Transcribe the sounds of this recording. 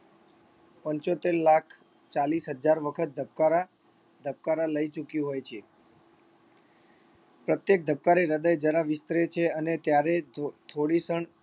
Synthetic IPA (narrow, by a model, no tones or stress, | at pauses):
pəɲt͡ʃot̪eɾlakʰ | t͡ʃalisɦəd͡ʒaɾʋəkʰət̪̚d̪ʱəp̚kaɾa | d̪ʱəp̚kaɾaləit͡ʃukiɦojt͡ʃʰe | pɾət̪jek̚d̪ʱəp̚kaɾeɾəd̪əjd͡ʒəɾaʋɪst̪ɾet͡ʃʰeənet̪jaɾet̪ʰoɽisəɳ